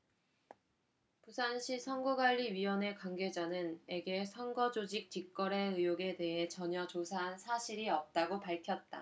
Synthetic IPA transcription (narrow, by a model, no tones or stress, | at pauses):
pusʰanɕʰisʰʌŋɡuɡwaʎːiɥiwʌne̞kwaŋɡe̞d͡ʑanɯne̞ɡe̞sʰʌŋɡʌd͡ʑod͡ʑik̚t͡ɕ͈ik͈ʌɾe̞ɯjoɡe̞te̞ɦe̞t͡ɕʌɲʌt͡ɕosʰaɦansʰaɕʰiɾiʌp̚t͈aɡopaɭkʰjʌt̚t͈a̰